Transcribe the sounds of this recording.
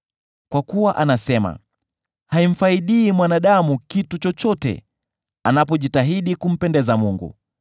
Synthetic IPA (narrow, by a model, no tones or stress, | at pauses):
kwakuwaʔanasɛma̰ | haim̩faiɗiːmwanaɗamukitut͡ʃɔt͡ʃɔtɛ̰ | anap̬ɔʄitaɦiɗikum̩pɛndɛzamuŋɡṵ